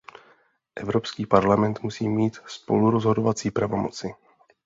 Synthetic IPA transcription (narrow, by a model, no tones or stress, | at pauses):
ʔɛvɾopskiːpaɾlamɛnt̪musiːmiːt̪spo̞̰luɾozɦo̞dovat͡siːpɾavo̞mo̰t͡sɪ